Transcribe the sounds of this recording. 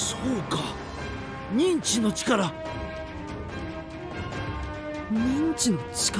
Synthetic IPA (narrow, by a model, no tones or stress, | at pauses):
soːka | ɲ̟ĩɲt͡ɕino̞t͡ɕi̥kaɾa | ɲĩɲt͡ɕinot͡ɕi̥k